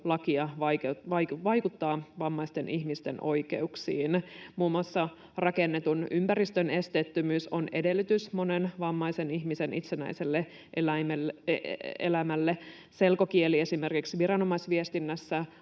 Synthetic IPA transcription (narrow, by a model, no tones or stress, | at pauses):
lɑkiɑʋɑkʋɑjʋɑjkut̪ːɑːʋɑmːɑist̪enʔihmist̪enʔo̞jke̞uksiːnmuːmɑsːɑ | rɑkenːet̪unympæɾist̪øne̞st̪et̪ːymyːsone̞de̞lːyt̪ysmo̞nenʋɑmːɑise̞niçmise̞nʔit̪senæ̰iselːe | ʔelæimelː | ḛlæmælːe | se̞lkokielie̞sime̞rkiksʋirɑno̞mɑisʋiest̪inːæsːæ